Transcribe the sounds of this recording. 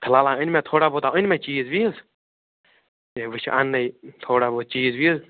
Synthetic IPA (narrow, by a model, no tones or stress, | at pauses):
t̪ʰəlaːlãənmẽːt̪ʰoːɽaːbot̪aənmẽt͡ʃiːzʋiz | teʋɨt͡ʃʰʔa̰nːəjt̪ʰoːɽaːbot̪̚t͡ʃiːzʋiz